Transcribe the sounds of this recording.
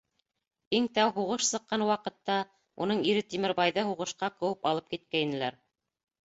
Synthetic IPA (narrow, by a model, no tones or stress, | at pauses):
iŋt̪æwɦuʁɤʃsɤ̆qːɑnwɑqɤ̆t̪ːɑ | ṵnɤɴiɾɘt̪imɘ̆ɾbɑjðɤɦuʁɤ̆ʃqɑqɤ̆wɤpɑlˠɤp̚kit̪̚kæinɘ̆læɾ